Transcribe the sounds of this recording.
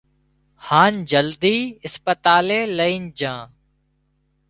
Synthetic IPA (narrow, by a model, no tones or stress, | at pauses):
haːnd͡ʒəld̪iːɪspət̪aːleːləiːnd͡ʒãː